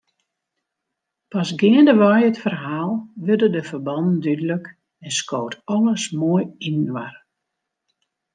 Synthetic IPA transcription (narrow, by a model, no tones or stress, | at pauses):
pɑsɡɪəndəʋɔjətfərɦaːlˠʋørdədəfərbɑndn̩dydələk | ɛnskoːwtɔlˠəsmoəjinʋar